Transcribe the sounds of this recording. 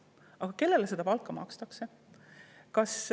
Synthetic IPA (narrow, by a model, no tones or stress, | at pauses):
ɑɡ̥ɑke̞lːe̞lesed̪̥ɑpɑlkːˑɑmɑ̰kst̪ɑkse | kɑs